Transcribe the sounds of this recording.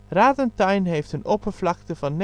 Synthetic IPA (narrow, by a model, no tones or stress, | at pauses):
ɾaːdənt̚d̥aɪnheɪftənʔopʰəflak̚təfanː